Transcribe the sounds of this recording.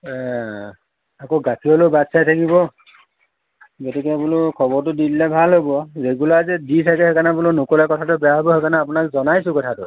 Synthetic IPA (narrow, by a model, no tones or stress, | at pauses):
akoɡakʰiɔlobatsajtʰakibɔ | ɡotikebulukʰɔbɔɹtʊdillɛbʱalɦobɔɹeɡulaɹzɛditʰakɛɦekanabulonokolakɔtʰatʊbɛjaɦobɔɦekanaːpʊnak̚zɔnajsʊ̃kɔtʰatʊ̰